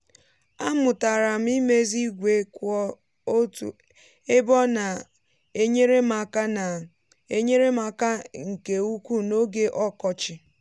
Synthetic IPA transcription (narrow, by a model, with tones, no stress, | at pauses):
a˦mʊ˨ta˨ɾa˨m̩˦i˦me˦zi˦ɡʷe˦kʷɔ˦ | t | e˦bɔ˦na˨ | e˦ɲe˦ɾe˦ma˨ka˦na˨ | e˦ɲe˦ɾe˦ma˨ka˦ŋ̩˨ke˨u˦kʷu˦no˦ɡe˦ʔɔ˦kɔ˦t͡ʃɪ˨